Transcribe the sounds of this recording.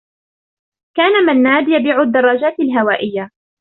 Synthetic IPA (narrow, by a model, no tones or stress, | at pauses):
kaːnamanːaːd̪ɪjabiːʕʊd̪ːɑrˤːɑd͡ʒaːt̪ɪlɦawaːʔɪjːa